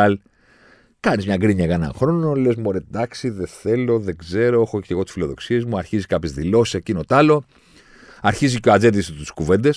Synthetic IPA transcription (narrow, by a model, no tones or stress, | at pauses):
l | kɐnizmɲɐɡɾiɲɐɣɐenɐ̰̃xɾo̞nole̞zmoɾed̪ɐksiðeθe̞lo̞ðe̞ɡze̞ɾo̞exoce̞ɣot̪sfilo̞ðo̞̰ksie̞zmuɐɾçizikɐpçezðilo̞si̥secinot̪ɐlo̞ | ɐɾçizicoad͡ze̞t̪̬ist̪u̥skuve̞nd̪e̞s